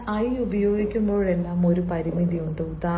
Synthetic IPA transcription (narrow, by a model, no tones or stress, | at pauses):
ɐjubɐjo̞ːɡikʲːumbo̞ːɭe̞lːaːmo̞ɾupɐɾimiðijuɳɖɨud̪aː